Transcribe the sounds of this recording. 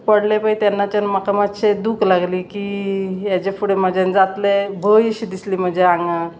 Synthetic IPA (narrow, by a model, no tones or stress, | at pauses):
pəɽlepait̪anːat͡ɕənmakamat̪ɕed̪uklaɡliːkijat͡ɕefuɽeməd͡ʑend͡zat̪lebʱəjiɕid̪isliːm̤əd͡ʑʱeaŋɡa